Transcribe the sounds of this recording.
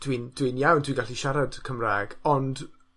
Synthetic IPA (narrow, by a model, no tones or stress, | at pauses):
d̥wind̥winjawndʰwĩɡaɬiʃaɾad̥kʰəmraːɡɔnd